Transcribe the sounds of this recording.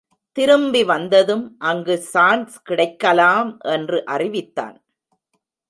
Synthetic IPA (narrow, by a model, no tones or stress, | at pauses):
t̪ɪɾɯmbiʋɐnd̪ɐðɯmʔɐŋɡɯsaːnskɪɽɐɪkːɐlaːmʔɛndrɯʔɐrɪʋɪt̪ːa̰ːn